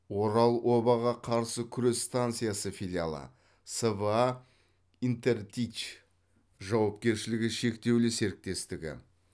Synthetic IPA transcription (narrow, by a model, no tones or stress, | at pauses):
wo̞ɾɑlˠwʔo̞bɑʁɑqʰɑɾsəkʲʰʏɾe̞sːt̪ant̪sɨjasəfilija̰lˠə̰ | sevəa | int̪e̞rt̪ʲit͡ʃ | ʒɑwɑp̚kʲe̞ɾʃɪlɪɡʲɪʃe̞kt̪e̞wlɪse̞ɾɪk̚t̪e̞st̪ɪɡʲɪ̰